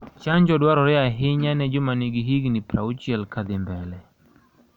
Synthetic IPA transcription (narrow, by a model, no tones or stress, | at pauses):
t͡ʃaɲd͡ʒɔdwaɾɔɾɛaɦɪɲanɛd͡ʒɔmaniɡiɦiɡnɪpɾa̰ut͡ʃjɛlkad̪ɪmbɛlɛ